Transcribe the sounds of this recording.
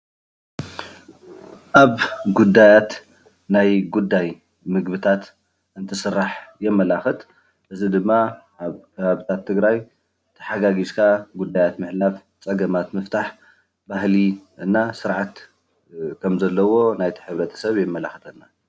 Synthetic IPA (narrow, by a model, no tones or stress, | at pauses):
ʔaβɡud̪ajat̪ | najɡud̪ːaj | mɨɡbɨt̪ʰat̪ | ʔɨnt̪ʰɨsɨrːaħjɛmːɐlaxɨt̪ | ʔɨzid̪ɨmːaʔaβkʰɐβaβit̪ʰat̪ʰːɨɡɾaj | t̪ʰɐ̥ħaɡaɡiskʰaɡud̪ːajat̪mɨħlaf | t͡sʼɐɡɐmat̪mɨft̪ʰaħ | baɦliɨnːasɨɾʕat̪ | kʰɐmzɐlːɐwo̞najt̪ʰi̥ħɨβɾɐt̪ʰɐ̥sɐβjɛmːɐlaxɨt̪ʼɐnːa